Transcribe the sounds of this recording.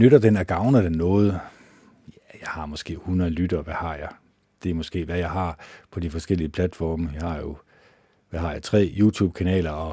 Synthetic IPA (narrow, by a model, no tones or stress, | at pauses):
nøɾɐd̥enæɡ̥ɑ̈ʊnɐd̥enːɔ̽ːð̞̩ˠ | jjɑ̈ɪhɑ̈mɒ̽sɡ̥e̝̰ːhunɐðˠlyd̥ɐːʋæhɑ̈jɑ̈ɪ | d̥e̝æmɒ̽sɡ̥e̝̰ːʋæjɑ̈ɪɦɑ̈pʰɒ̽d̥ifɒ̽sɡ̥el̰iəpʰlæd̥fɒːməjɑ̈hɑ̈jo̝ | ʋæhɑ̈jɑ̈ɪt͡sʰʁɛ̰ːjuːt͡sʰṵːb̥̚kʰænɛ̰ːlɐɒ̽